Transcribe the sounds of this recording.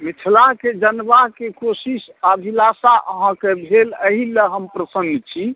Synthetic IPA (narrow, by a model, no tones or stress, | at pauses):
mit͡ʃʰlaked͡ʒənbaɦkekosisabʱilasaʔəɦãkebʱeləɦiləɦəmpɾəsənd̪t͡ʃʰi